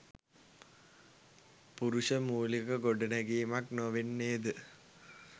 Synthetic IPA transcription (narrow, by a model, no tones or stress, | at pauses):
puɾuʂəmuːlikɐɡoɖinɐɡiːmaknoʋinːeːd̪ɨ